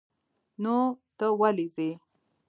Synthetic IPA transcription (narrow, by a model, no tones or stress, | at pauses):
not̪əwalize